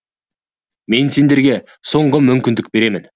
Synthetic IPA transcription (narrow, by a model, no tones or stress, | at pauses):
me̞nse̞nd̪e̞ɾɡʲe̞ | so̞ɴʁəmʏmkʲɪnd̪ɪk̚be̞ɾe̞mɪn